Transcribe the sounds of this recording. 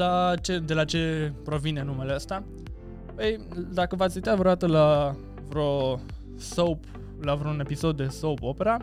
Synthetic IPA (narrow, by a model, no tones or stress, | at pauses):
lat͡ʃe̞d̪e̞lat͡ʃe̞pɾo̞vine̞nːume̞leəst̪a | pəj | d̪akəvat̪sʲujt̪avɾod̪at̪əla | vɾo̞ | sop | lavɾoune̞piso̞d̪ːe̞sopo̞pe̞ɾa